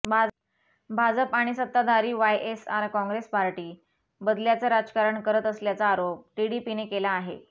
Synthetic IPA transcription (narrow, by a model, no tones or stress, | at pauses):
bʱa | bʱad͡zəpaɽ̃isət̪ːad̪ʱaɾiːʋajʔesaɾkɔ̃ŋɡɾespaɾʈiː | bəd̪ljat͡səɾad͡zkaɾəɳkəɾət̪əsljat͡saːɾop̚ʈiɽipinekelaːɦe